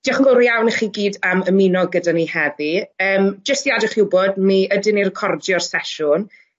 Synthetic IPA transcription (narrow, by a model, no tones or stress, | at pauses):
d̥iːɔχənɡɔlˠɾiawniχiːɡiːdaməminɔɡədanihɛðiəːmd͡ʒəstiadɔχɪwbɔdmiədɪnirkʰɔrdjɔrsɛʃʊn